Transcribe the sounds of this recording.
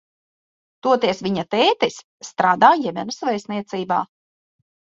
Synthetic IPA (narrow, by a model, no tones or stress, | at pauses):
t̪uɔt̪iɛsvʲiɲat̪ɛːt̪isːt̪ɾaːd̪aːjɛmʲɛnusvɛjsniɛt̪siːba̰ː